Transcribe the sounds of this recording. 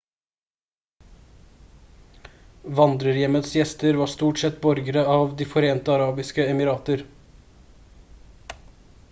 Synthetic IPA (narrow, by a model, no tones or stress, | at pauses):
ʋɑnd̪ɾəɾjɛmət̪sjɛst̪əɾʋɑːʂt̪uːʈsɛt̪bɔɾɡəɾəɑːʋd̪iːfɔɾeːnt̪əɑɾɑːbɪskəɛmɪɾɑːt̪əɾ